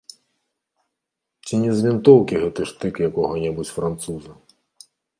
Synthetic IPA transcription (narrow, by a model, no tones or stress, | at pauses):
t͡sʲinʲɛzʲvʲint̪ɔwkʲiɣɛt̪ɨʂt̪ɪkjɐkɔɣɔnʲɛbut͡sʲfɾant̪suzɐ